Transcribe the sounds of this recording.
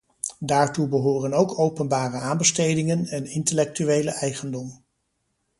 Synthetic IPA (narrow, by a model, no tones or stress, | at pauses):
daːɹtubəɦoːrənowkʰowpənbaːrəaːmbəstejdɪŋənɛnɪntəlɛk̚tyʋejləɛjχəndɔm